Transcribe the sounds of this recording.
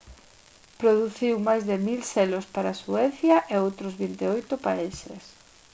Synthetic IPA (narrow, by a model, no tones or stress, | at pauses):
pɾoðuθiwmajzðemilselospaɾasuɛθjɐʔeowt̪ɾozβint̪eojt̪opaiʃḛs